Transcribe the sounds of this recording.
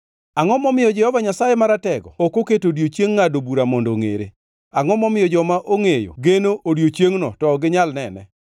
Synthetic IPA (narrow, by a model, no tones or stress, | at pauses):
aŋɔmɔmɪjɔd͡ʒɛhɔvaɲasajemaɾatɛɡɔ̰okoketodjot͡ʃjeŋːadobuɾamɔndoŋḛɾḛ | aŋɔmɔmɪjɔd͡ʒɔmaʔoŋejo̰ɡenoʔodjot͡ʃjeŋnɔtɔːɡɪɲalnɛnɛ̰